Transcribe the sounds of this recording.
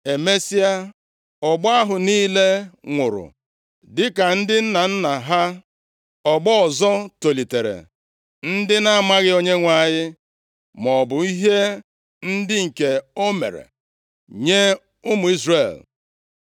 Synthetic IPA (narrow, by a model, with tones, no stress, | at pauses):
e˨me˦si˦a˦ | ɔ˨ɡ͡ba˦ɦʊ˨niː˦le˦ŋʷʊ˨ɾʊ̰˨ | dɪ˦ka˨n̩˦dɪ˦n̩˦na˨n̩˦na˨ɦa˦ | ɔ˨ɡ͡bɔ˦ɔ˨zɔ˦to˨li˨te˨ɾḛ˨ | n̩˦dɪ˦na˦ma˦ɣɪ˦o˦ɲe˦ŋʷa˦˨ɲɪ˦ | mɔ˨bʊ˨i˦ɦe˦ | n̩˦dɪ˦ŋ̩˨ke˨o˦mḛ˨ɾḛ˨ | ɲe˦ | ʊ˦mʊ˨i˦zre˨l